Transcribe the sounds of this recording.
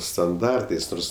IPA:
stɐnˈdɐrtɐɪs ˈnoːrs

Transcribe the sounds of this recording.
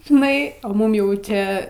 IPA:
ʒʲɪˈnɐɪ ɐ ˈmʊm jɛʊ ˈt͡ʃʲɛ

